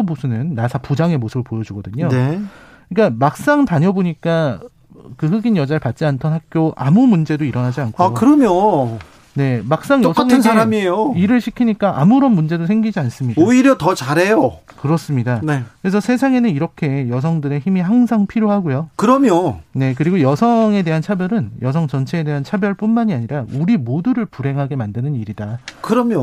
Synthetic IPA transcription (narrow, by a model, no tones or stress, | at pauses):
omosʰɯnɯnːasʰapud͡ʑaŋe̞mosʰɯbɯɭpojʌd͡ʑuɡʌdɯɲone | k͈amak̚s͈aŋpaɲʌboɲik͈a | kɯɦɯɡinjʌd͡ʑaɭpat̚t͡ɕ͈iantʰʌnɦak̚k͈joʔamumund͡ʑe̞doiɾʌnad͡ʑiankʰaokɯɾʌmjo | ne̞mak̚s͈aŋjʌsk͈aŋensʰaɾamiejoiɾɯɭɕʰikʰiɲik͈aʔamuɾʌnmund͡ʑe̞dosʰe̞ŋɡid͡ʑians͈ɯmɲidaoiɾjʌtʌt͡ɕaɾɦejo | kɯɾʌs͈ɯmɲidaknekɯɾesʰʌsʰe̞sʰaŋe̞nɯniɾʌkʰe̞jʌs̬ʰʌŋdɯɾe̞çimihaŋsʰaŋpʰiɾjoɦaɡojokɯɾʌmjone̞kɯɾiɡojʌsʰʌŋe̞de̞ɦant͡ɕʰabjʌɾɯnjʌsʰʌŋt͡ɕʌnt͡ɕʰe̞ːde̞ɦant͡ɕʰabjʌɭp͈unmaɲiaɲiɾauɾimoduɾɯɭpuɾɦe̞ŋɦaɡe̞mandɯnɯniɾidakɯɾʌmjo